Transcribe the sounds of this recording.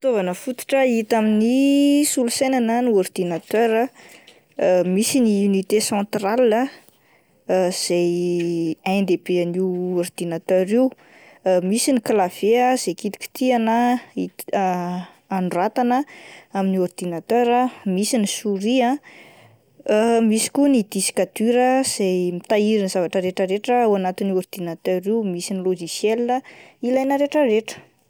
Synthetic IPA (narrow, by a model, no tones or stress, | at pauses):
i̥t̪ovanəfut̪u̥ʈ͡ʂəit̪aminisulusejnanəniɔrd̪̥inat̪øɾə | misiniunit̪esɑ̃t̪ralə | z̥ej | ãnd̪ebeaniɔrd̪inat̪øɾiw | misiniklav̥eaz̥ejkit̪i̥kʲi̥t̪ianəi | anɖ͡ʐuat̪anəaminiord̪̥inat̪øɾamisinisuɾiã | misi̥kʲunid̪̥isi̥kad̪̥yɾəz̥ejmit̪aiɾinzavaʈ͡ʂəɾeʈ͡ʂəɾeʈ͡ʂəuanat̪iniord̪̥inat̪œɾimisiniloʒisjɛlinəilajnəɾeʈ͡ʂəɾeʈ͡ʂə̥